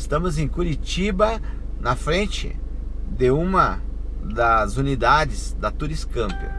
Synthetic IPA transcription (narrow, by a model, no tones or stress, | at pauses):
st̪ɐ̃mʊzẽj̃kuɾit͡ʃibɐ | nɐfɾẽnt͡ʃɪ̰ | d̪ɪũmɐd̪ɐzunid̪ad͡ʒɪzd̪ɐt̪uɾiskɐ̃mpʊ̰